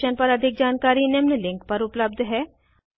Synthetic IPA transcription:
ənpɐɾɐd̪ʱɪk̚d͡ʒaːnkaːɾinemnlɪ̃ŋkpɐɾʊpləb̚d̪ʱɦɛː

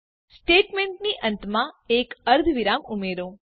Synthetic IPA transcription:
sʈeʈmeɳʈniʔə̃nt̪mãekəɾd̪ʱʋiɾamumeɾõ

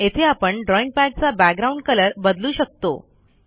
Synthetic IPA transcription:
et̪ʰeapəɳɖɾɔiŋɡ̚pæʈ̚t͡sabæɡ̚ɡɾauɳɖkələɾbəd̪luːɕək̚t̪o̰

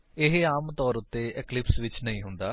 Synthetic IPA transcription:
eɦeaːmt̪ɔːɾut̪ːeeklipsʋit͡ɕːnɐĩɦund̪aː

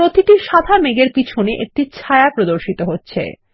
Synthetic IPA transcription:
ɾot̪iʈiʃad̪ʱameɡeɾpit͡ɕʰoneʔek̚ʈit͡ɕʰaeapɾod̪oɾʃit̪oɦotːɕʰḛ

